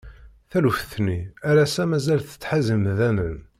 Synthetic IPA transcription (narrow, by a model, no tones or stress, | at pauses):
θælufθniæɾæsæmæzælθə̥t͡sːħazəmðænən